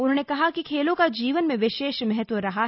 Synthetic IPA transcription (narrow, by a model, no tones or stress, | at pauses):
ʊnɦõːnekɐɦakikʰeːlõkad͡ʒiːʋənmẽʋɪʃeːʃmɛɦət̪ʋəɾɐɦa